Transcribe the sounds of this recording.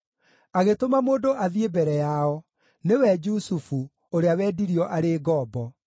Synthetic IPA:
aɣetomamoːdoʔaðiebɛɾɛjaɔ | newɛd͡ʒusufu | oɾeawɛːdiɾiɔʔaɾeɡɔːbɔ

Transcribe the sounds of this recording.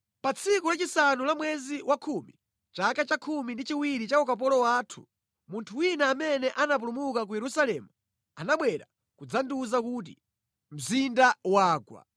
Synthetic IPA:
pat͡sʰikulat͡ʃisanulamwɛziwʔakʰumḭ | t͡ʃakat͡ʃakʰumindit͡ʃiwiɾit͡ʃakɔkap̬ɔlɔwaːtʰu̥̰ | muntʰuwinaːmɛnɛʔanap̬ulumukak̬ujɛɾusalɛmu | anaɓwɛɾa̰ | kud͡zanduzakuːt̬ḭ | m̩zindawaːɡwa̰

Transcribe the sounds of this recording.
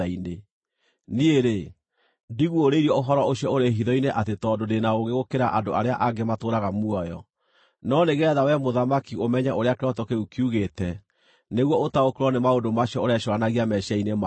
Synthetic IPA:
aine | nieɾe | ndiɣuoɾeiɾɔoɦɔɾɔoɕijɔoɾeɦiðɔineʔatetɔːdodenaoɣeɣokeɾaʔandoaɾea̰ʔaɡematoːɾaɣamuɔjɔ | nɔneɣɛðawɛmoðamakiomɛɲɛʔoɾeakeɾɔtɔkeukiuɣetɛ | neɣwɔotaokeɾwɔnemaondomaɕiɔoɾeaʃɔɾanaɣiamɛɕainema

